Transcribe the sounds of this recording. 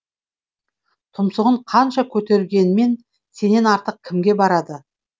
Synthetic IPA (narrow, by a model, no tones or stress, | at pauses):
t̪ʰʊmsəʁəɴqʰɑnʃɑkʲʰɵt̪e̞ɾɡʲe̞nɪme̞n | se̞ne̞nɑɾt̪əq̚kʲʰɪmɡʲe̞bɑɾɑd̪ə